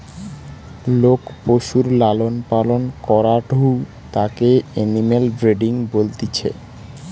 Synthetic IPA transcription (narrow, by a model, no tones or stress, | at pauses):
lokpoʃuɾlalonpalonkɔɾaɖʱu | t̪akeenimelbɾeɖiŋbolt̪it͡ɕʰḛ